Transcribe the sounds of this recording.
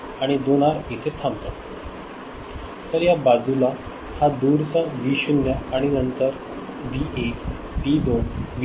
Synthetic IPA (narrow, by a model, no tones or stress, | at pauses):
aɽ̃id̪oɽ̃aɾit̪ʰet̪ʰamt̪at̪ | t̪əɾjabad͡zula | had̪uɾt͡saʋiɕunjəaɽ̃inənt̪əɾ | biek | pid̪oʋ